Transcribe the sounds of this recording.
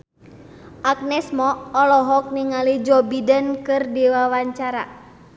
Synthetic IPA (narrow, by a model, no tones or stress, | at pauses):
ʔak̚nɛsmɔɔlɔɦɔk̚niŋalid͡ʒɔbidənkɨrdiwawaɲt͡ʃaɾa̰